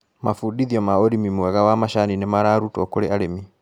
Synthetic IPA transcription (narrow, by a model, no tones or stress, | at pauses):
mafudiðiɔmaoɾimimɛɣawamaʃaninemaɾaɾutɔkoɾeaɾemi